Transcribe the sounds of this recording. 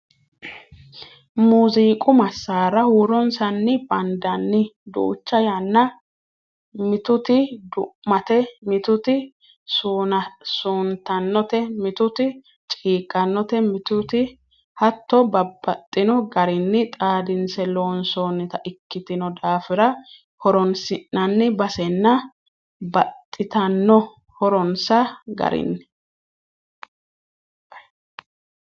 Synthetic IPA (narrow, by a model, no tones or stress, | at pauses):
muːziːkʼʊmɐsːaːɾɐhuːɾɔnsɐnːɪb̥ɐnd̪ɐnːɪd̪ṵːt͡ʃːɐjɐnːɐ | mɪt̪ʊt̪ɪd̪ʊmɐt̪ɛmɪt̪ʊt̪ɪ | suːnɐsuːnt̪ɐnːɔt̪ɛmɪt̪ʊt̪ɪ | t͡ʃʼiːkʼːɐnːɔt̪ɛmɪt̪ʊt̪ɪ | hɐt̪ːɔbɐbːɐt̪ʼːɪnɔɡɐɾɪnːɪt̪ʼaːd̪ɪnsɛloːnsoːnːɪt̪ɐʔɪkːɪt̪ɪnɔd̪aːfɪɾɐ | hɔɾɔnsɪnːɐnːɪbɐsɛnːɐ | bɐt̪ʼːɪt̪ɐnːɔ | hɔɾɔnsɐɡɐ̰ɾɪ̰nːɪ̥